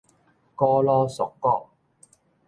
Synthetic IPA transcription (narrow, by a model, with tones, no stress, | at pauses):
kɔː˥lɔː˥sʊ˨kːɔː˥k̚